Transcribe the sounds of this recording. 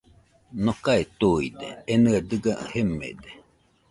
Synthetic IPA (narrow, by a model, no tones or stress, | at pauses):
nokaet̪uid̪ḛenɯed̪ɨɡahemḛd̪e